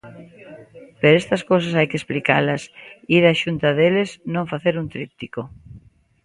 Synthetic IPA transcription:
peɾoest̪ɐskows̬ɐsajkesplikalɐsiɾaʃunt̪ɐðeleznõŋfaθeɾunt̪ɾip̚t̪iko

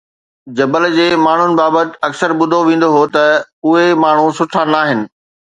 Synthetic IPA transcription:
d͡ʑɐbəld͡ʑeːmaːɳ̤ʊnɪ̆baːbət̪ɪ̆ɐksəɾbʊd̪ʱoʋẽːn̆d̪oɦot̪ɐʊɦemaːɳ̤usʊʈʰanaːɦɪnɪ̆

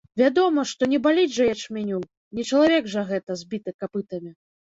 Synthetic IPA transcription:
vʲad̪ɔmɐʂt̪ɔnʲɛbalʲid͡zʲʐɐjat͡ʂmʲɛnʲuw | nʲɛt͡ʂɐlˠavʲɛɡʐɐɣɛt̪ɐzʲbʲit̪ɨkapɨt̪ɐmʲi

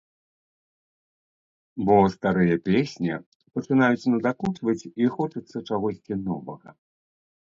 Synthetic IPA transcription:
bɔst̪aɾɨjɐpʲesʲnʲi | pɐt͡ʂɨnajut͡sʲnɐd̪akut͡ʂ̪vɐt͡sʲixɔt͡ʂɐt̪sːɐt͡ʂaɣɔsʲt͡sʲinɔvɐɣɐ̰

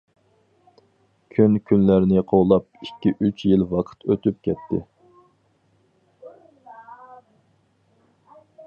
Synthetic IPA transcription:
kʲʰynkʲʰynlæɾnɪqʰowlˠɑp̚ikʲːiʔyt͡ʃʰjilwɑqʰə̥t̪ʰøt̪yp̚kʲʰɛt̪ʰːɪ̰

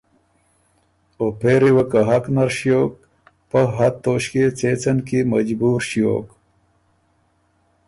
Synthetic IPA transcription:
opeːɾiwɐkɐɦɐknɐɾɕijoːk̚ | pɐɦɐt̪ːoːɕket͡seːt͡sɐnkimɐd͡ʑbuːɾɕijo̰ːk

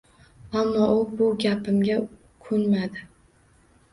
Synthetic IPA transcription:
amːɒʔʊbʊɡʲapɪmɡʲa | kʰɵnmad̪ɪ

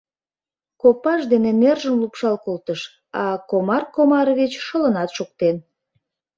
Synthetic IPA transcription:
kopɑʃd̪enenerʒəmlupʃɑlkolt̪əʃ | ɑkomɑrkomɑɾβet͡ɕʃələnɑt̪ʃok̚t̪en

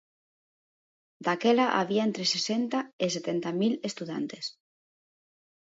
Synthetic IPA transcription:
d̪akelaʔa̰βiaẽnt̪ɾesesent̪aeset̪ent̪amilest̪uða̰nt̪es

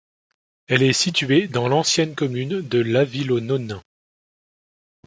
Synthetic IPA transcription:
ɛlɛsit̪ɥed̪ɑ̃lɑ̃sjɛnkɔmynd̪əlavilonɔnɛ̃

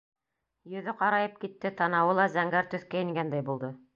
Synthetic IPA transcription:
jɵ̆ðɵqɑɾɑjɤp̚kit̪ːɘt̪ɑnɑwɤlˠɑzæŋɡæɾt̪ɵ̆θkæjɘ̆ŋɡænd̪æjbulˠd̪ɤ

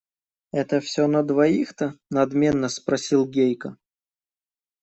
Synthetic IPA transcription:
ɛt̪əfsʲonəd̪vɐixt̪ənɐd̪mʲe̞nːəspɾɐsʲilˠɡʲejkə

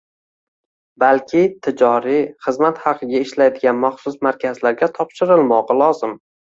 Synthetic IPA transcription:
balkʲʰɪt̪ʰɪd͡ʒɒɾɪχɨzmat̪hɑqʰɨɡʲaɪʃlajd̪ɪɡʲanmaχsʊsmaɾkʲʰazlaɾɡʲat̪ʰɒpʃɪɾɪlˠmɒʁlˠɒzɪm

